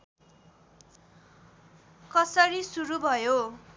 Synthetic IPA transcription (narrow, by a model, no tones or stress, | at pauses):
kʌsʌɾisuɾubʱʌjo